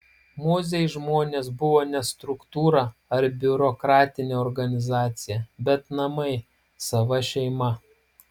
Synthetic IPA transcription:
moːzʲɛɪʒmoːnʲeːs̬bʊʋoːnʲɛst̪ɾʊkt̪uːɾɑɐɾbʲʊɾɔkɾɑːt̪ʲɪnʲeɔɾɡɐnʲɪzɑːt̪sʲɪjɛbʲɛt̪nɐmɐɪ | sɐʋɐʃʲɛɪmɐ

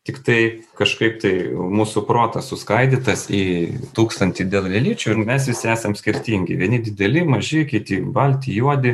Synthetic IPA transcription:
t̪ʲɪkt̪ɐɪkɐʃkɐɪpt̪ɐɪmuːsʊpɾoːt̪ɐsʊskɐɪd̪ʲɪt̪ɐsit̪uːkst̪ɐnʲt̪ʲɪd̪ʲeːlˠlʲɛlʲiːt͡ʃʲʊːɪmʲɛs̬ʋʲɪsʲɪæːsɐmsʲkʲɪɾʲt̪ʲiːŋʲɡʲɪ̰ʋʲiɛnʲɪd̪ʲɪd̪ʲɛlʲɪmɐʒʲɪkʲɪt̪ʲɪbɐlʲt̪ʲɪjuɔd̪ʲɪ

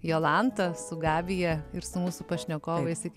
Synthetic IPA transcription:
joːlˠɑnt̪ɐsʊɡɑːʋʲɪjɛɪɾsʊmuːsʊpɐʃʲnʲɛkoːʋɐjɛsʲɪkʲ

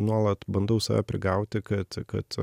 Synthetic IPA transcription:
nuɔlˠɐt̪bɐnd̪ɐʊsɐʋʲæ̰pʲɾʲɪ̰ɡɑʊt̪ʲɪkɐt̪kɐ̰t̪

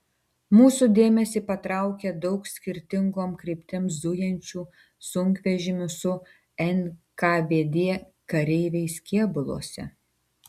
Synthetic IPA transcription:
muːsud̪ʲeːmʲɛsʲiːpɐt̪ɾɑˑʊkʲɛd̪ɔʊksʲkʲɪɾʲt̪ʲɪŋɡoːmkɾʲɪpʲt̪ʲɪmsd̪ʊjɛnʲt͡ʃʲuː | sʊŋʲkʋʲɛʒʲɪmʲʊsʊ | ɛnʲ | kaːʋʲeːd̪ʲeːɛ | kɐɾʲɛɪʋʲɛɪskʲiɛbʊlˠo̰ːsʲɛ̰

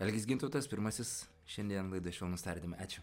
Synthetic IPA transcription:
ɛlʲɡʲɪsɡʲɪnt̪ɔʊt̪ɐspʲɪɾmɐsʲɪs | ʃʲɛnd̪ʲiɛnlˠɐɪd̪ɐʃʲɛʊnʊst̪ɐːɾʲt̪ʲiːmɐɑːt͡ʃʲʊ

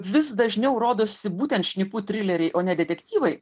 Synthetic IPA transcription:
ʋʲɪsd̪ɐʒʲnʲɛʊɾoːd̪oːsʲɪbuːt̪ʲɛnt̪ʃʲnʲɪːpuːt̪ʲɾʲɪlʲɛɾʲɛɪʔoːnʲɛd̪ʲɛt̪ʲɛkt̪ʲiːʋɐɪ

